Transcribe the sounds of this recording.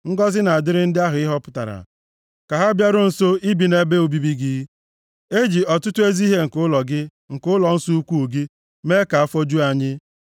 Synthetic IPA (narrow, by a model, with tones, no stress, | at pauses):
ŋ̩˦ɡɔ˦zɪ˦na˨a˨dɪ˦ɾɪ˦n̩˦dɪ˦a˦ɦʊ˨ɪ˦ɦɔ˦pʊ̥˦ta̰˨ɾa̰˨ | ka˨ɦa˦bja˦ɾʊ˦n̩˦˨so˦i˦bi˨ne˦be˦u˨bi˦bi˦ɡɪ˦ | e˦d͡ʒi˨ɔ˨tʊ˦tʊ˦e˦zi˦ɦe˦ŋ̩˨kʊ˦lɔ˨ɡɪ˦ | ŋ̩˨kʊ˦lɔ˨n̩˦su˦u˦kʷu˦u˨ɡi˦ | me˦ka˨a˦fɔ˦d͡ʒu˦a˨ɲɪ˦